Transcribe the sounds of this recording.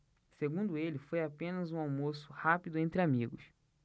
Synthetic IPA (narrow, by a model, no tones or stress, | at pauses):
seɡũnd̪ʊelɪfojapẽnɐzũawmosʊhapid̪ʊẽnt̪ɾɪamiɡʊs